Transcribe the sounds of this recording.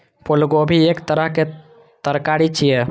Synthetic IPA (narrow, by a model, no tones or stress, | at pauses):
pʰʊlɡobʱiekt̪əɾəɦke | t̪əɾkaɾit͡ʃʰije